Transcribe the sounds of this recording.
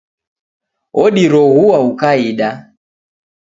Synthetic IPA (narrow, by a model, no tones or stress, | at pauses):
ɔɗiɾɔɣuwaukaiɗa